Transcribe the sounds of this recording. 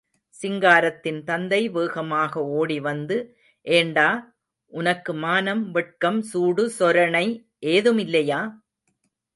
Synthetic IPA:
sɪŋɡaːɾɐt̪ːɪnt̪ɐnd̪ɐɪʋɯːɣɐmaːɣɐoːɽiʋɐnd̪ɯ | ʔeːɳɖaː | ʔʊnɐkːɯmaːnɐmʋɛʈ̚kɐmsuːɽɯsɔɾɐɳɐɪ | ʔeːðɯmɪlːɐjaː

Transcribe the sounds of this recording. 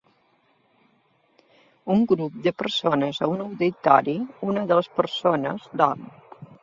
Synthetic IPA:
uŋɡɾup̚d̪əpəɾsonəzəunəwðit̪aɾiunəðələspəɾsonəzd̪ɔm

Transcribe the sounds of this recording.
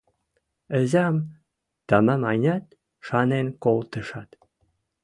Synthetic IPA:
ə̆zɑm | t̪ɑməmɑjnʲɑt̪̚ | ʃɑnenkolt̪ə̆ʃɑt̪

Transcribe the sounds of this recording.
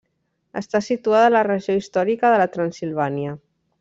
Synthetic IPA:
ə̰st̪asit̪uaðəːlərəʒioist̪ɔɾikəðələt̪ɾansilˠβ̞aniə

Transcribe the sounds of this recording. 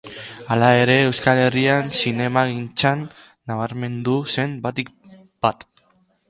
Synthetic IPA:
alae̞ɾe̞ːwskale̞riansine̞maɣint͡sanː | aβ̞aɾme̞nd̪use̞mbat̪ik̚ | b̥at̪

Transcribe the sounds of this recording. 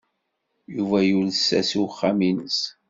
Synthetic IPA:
juvæjulsːæ̰suwχːaminəs

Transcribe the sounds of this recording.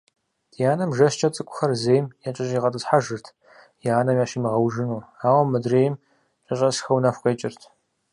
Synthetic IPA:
jaːnɐmʒɐʃt͡ʃʰʼɐt͡sʼɨkʷʼʊ̥xɐrzeːjmjat͡ʃʼɐɕʼiːʁɐtʼɨsħaʒɨrtʰ | jaːnɐmjaːʃimɨʁɐwʒɨnuaːwɐmːɐdreːjɪm | t͡ʃʼɐɕʼɐsxɐwnɐfʷqeːt͡ʃʼɪrtʰ

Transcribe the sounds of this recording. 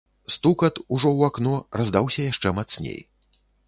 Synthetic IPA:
st̪ukɐt̪uʐɔwaknɔrazd̪awsʲɐjaʂt͡ʂɛmat̪snʲḛj

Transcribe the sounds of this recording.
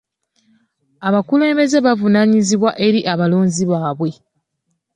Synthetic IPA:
aβakule̞ːmbe̞ze̞βavunaɲiziβwaʔe̞ɾiʔaβalo̞ːɲziβaːβwe̞

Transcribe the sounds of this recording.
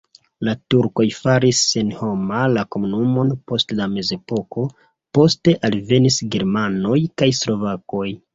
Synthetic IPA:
latuɾko̞jfaɾisenho̞malako̞munumo̞npo̞stlame̞ze̞po̞ko̞ | po̞ste̞ʔalve̞nisɡe̞ɾmano̞jkajslo̞vako̞j

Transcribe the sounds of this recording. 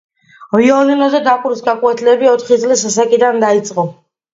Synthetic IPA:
viɔlinɔzɛd̪akʼuɾisɡakʼwɛt̪ʰlɛbiɔt̪ʰχid̪sʼlisasakʼid̪and̪ait̪sʼqʼɔ

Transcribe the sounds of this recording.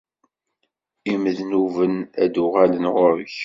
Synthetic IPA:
iməðnuvənæd̪ʊʁælənʁʊɾəç

